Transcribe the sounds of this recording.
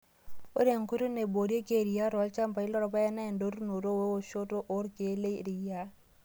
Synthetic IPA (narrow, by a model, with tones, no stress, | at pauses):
o˦ɾe˨ŋku˦ɾo˦ne˨bo˨ɾje˦ke˦˨ɾi˨ja˦ɾɔ˨˦lt͡ʃa˦mpa˨i˦lɔ˦ɾɔ˨pa˦ja˦na˦ɛ˨ndo˦ɾu˦no˨ɾo˦we˦wo˦ʃo˦to˦ʔo˦ɾke˨˦le˦˨ɾɪ˨ja˦